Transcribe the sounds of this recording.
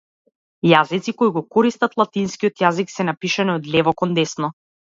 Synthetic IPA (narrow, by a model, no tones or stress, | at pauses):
jazit̪sikoiɡɔkɔɾist̪at̪lˠat̪inskiɔt̪jaziksɛnapiʃaniɔd̪lʲɛvɔkɔnd̪ɛsnɔ